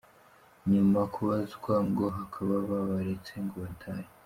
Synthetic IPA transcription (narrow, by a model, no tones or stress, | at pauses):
ɲumakʰuβazikwaŋɡoɦakʰaβaβaβaɾet͡seŋɡoβatʰaːje